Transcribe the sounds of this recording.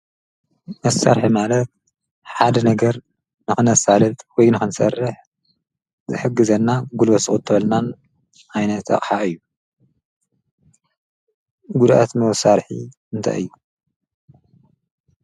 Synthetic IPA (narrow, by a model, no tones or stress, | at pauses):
mɐsːa̰ɾħimalɐt̪̚ | ħad̪ɐnɐɡɐɾ | nɨxɨnɐsalɨt̪ʼwɔjnɨxɨnsɐ̰rːɨħ | zɨ̰ħɨɡːɨzɐnːaɡulwɐsɨxʼut̪ʰːɨβɐlnan | ʕajnɐt̪ɐ̰χʼħaɨjːu | ɡud̪ʔa̰t̪mɐwsaɾħḭ | ɨnt̪ʰa̰jɨ̰jːu